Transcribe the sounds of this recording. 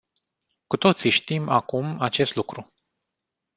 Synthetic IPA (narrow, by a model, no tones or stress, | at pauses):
kut̪o̞t̪siʃt̪imakumat͡ʃe̞st̪lukɾu